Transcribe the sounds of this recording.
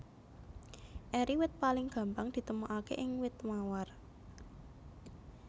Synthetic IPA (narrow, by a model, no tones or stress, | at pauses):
ʔɛɾiwɪt̪̚palɪŋɡ̥ä̤mbaŋd̪̥i̤t̪əmuʔakḛʔɪŋwɪt̪mawar